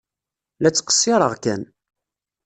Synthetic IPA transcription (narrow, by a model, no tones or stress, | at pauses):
læt͡sːqːə̥sːɪɾˤəʁkæn